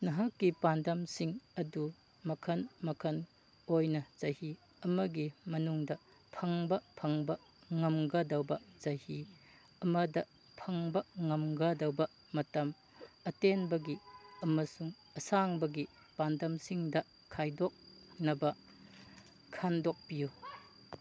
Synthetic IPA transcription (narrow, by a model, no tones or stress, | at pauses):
nɐɦakːipandɐmsiŋɐdu | mɐkʰɐnmɐkʰɐn | ojnɐz̥ɐhi | ɐmɐɡimɐnuŋdɐ | pʰɐŋbɐpʰɐŋbɐ | ŋɐmɡɐdɐwbɐzɐhi | ɐmɐdɐ | pʰɐŋbɐŋɐmɡɐdɐwbɐ | mɐtɐm | ɐtenbɐɡiɐmɐsuŋ | ɐsaŋbɐɡi | b̥andɐmsiŋdɐ | kʰajdɔk̚nɐbɐ | kʰandɔk̚piju